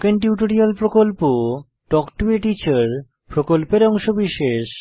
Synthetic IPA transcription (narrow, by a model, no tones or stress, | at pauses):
kenʈjuʈoɾialpɾokolpo | ɖɔkʈuiʈit͡ɕaɾ | pɾokolpeɾɔŋʃobiʃeʃ